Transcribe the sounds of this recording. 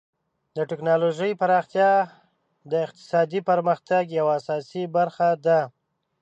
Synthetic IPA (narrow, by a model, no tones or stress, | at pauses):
d̪əʈɪknɑloʒəjpaɾɑxt̪jɑ | d̪əɪq̚t̪ɪ̥sɑd̪ipəɾməxt̪aɡjawaːsɑsibaɾxad̪a